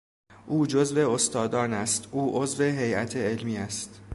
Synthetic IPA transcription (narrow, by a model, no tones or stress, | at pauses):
ʔuːd͡ʒozve̞ost̪ɒːd̪ɒːnæst̪ʔuːʔozve̞ɦe̞jʔæt̪ʰeelmiːæst̪